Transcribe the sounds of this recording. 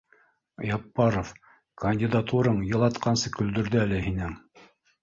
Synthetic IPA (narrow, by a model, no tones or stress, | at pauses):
jɑpːɑɾof | kɐnʲdʲɪd̪at̪uɾɤɴjɤ̆lˠɑt̪qɑnsɤkɵ̆ld̪ɵ̆ɾðɘælɘhinɘŋ